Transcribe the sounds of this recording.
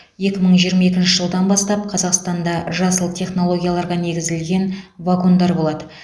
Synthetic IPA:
je̞kʲɪməɴʒijəɾmɑe̞kʲɪnʃɪʒəlˠd̪ɑnbɑst̪ɑp̚qʰɑzɑqst̪ɑnd̪ɑʒɑsəlˠt̪ʲʰe̞χno̞lˠo̞ɡʲijalˠɑɾʁɑne̞ɡʲɪzɪlɡʲe̞nvako̞nd̪ɑɾbo̞lˠɑd̪ə

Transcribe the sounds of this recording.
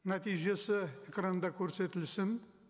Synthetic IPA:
nat̪ijʒe̞sɪekɾand̪ɑkʲʰɵɾse̞t̪ɪlsɪn

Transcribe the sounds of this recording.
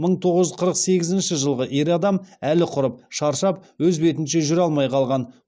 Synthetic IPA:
məɴt̪ʰo̞ʁəʒʏzqʰəɾəqse̞ɡʲɪzɪnʃɪʒəlˠʁəʔe̞ɾɑd̪ɑmælɪqʰʊɾəp̚ʃɑɾʃɑpwɵzbe̞t̪ɪnʃe̞ʒʏɾɑlˠmɑjqʰɑlˠʁɑn

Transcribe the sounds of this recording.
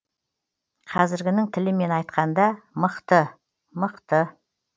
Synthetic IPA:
qʰɑzɪɾɡʲɪnɪŋt̪ʰɪlɪme̞nɑjt̪qɑnd̪ɑməqt̪ə | məqt̪ə

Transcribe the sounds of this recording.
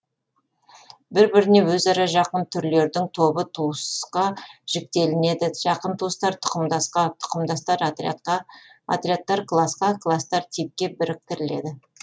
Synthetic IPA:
bɪɾbɪɾɪne̞wɵzɑɾɑʒɑqənt̪ʰʏɾle̞ɾd̪ɪŋt̪ʰo̞bət̪ʰusqɑʒ̥ɪk̚t̪e̞lɪne̞d̪ɪʒ̥ɑqənt̪ʰust̪ɑɾt̪ʰʊ̥qəmd̪ɑsqɑt̪ʰʊ̥qəmd̪ɑst̪ɑɾt̪t̪ɑa̰t̪ɾʲiat̪ːɑɾklˠasqɑkʰlˠast̪ɑɾt̪ʰip̚kʲe̞bɪɾɪk̚t̪ɪɾɪle̞̰d̪ɪ

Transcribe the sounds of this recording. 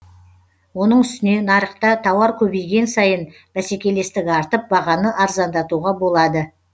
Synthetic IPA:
wo̞nəɴʏst̪ɪne̞nɑɾəqt̪ɑt̪ʰɑwɑɾkʲʰɵbejɡʲe̞nsɑjən | b̥æsekʲe̞le̞st̪ɪkʲɑɾt̪əp̚bɑʁɑnəʔɑɾzɑnd̪ɑt̪uʁɑbo̞lˠɑd̪ə

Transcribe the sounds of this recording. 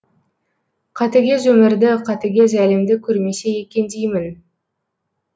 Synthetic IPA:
qʰɑt̪ɪɡʲe̞zɵmɪɾd̪ɪqʰɑt̪ɪɡʲe̞zælɪmd̪ɪkʲʰɵɾmesejekʲend̪ejmɪn

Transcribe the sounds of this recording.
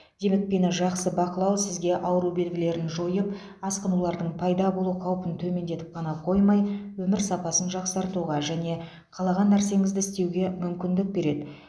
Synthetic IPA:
d̪̥e̞me̞k̚pe̞nʒɑqsəbɑqəlˠɑwsɪzɡʲe̞ʔɑwəɾube̞lɡʲɪle̞ɾɪnʒo̞jəp | ɑsqənulˠɑɾd̪əɴpʰɑjd̪ɑbo̞lˠuqʰɑwpənt̪ʰɵme̞nd̪e̞t̪ɪ̥p̚qʰɑnɑqʰo̞jmɑjwɵmɪɾsɑpɑsənʒɑqsɑɾt̪uʁɑʒæne̞ | qʰɑlˠɑʁɑnːæɾse̞ŋɪzd̪ɪɪst̪e̞wɡʲe̞mʏmkʲɪnd̪ɪk̚be̞ɾe̞d̪ɪ

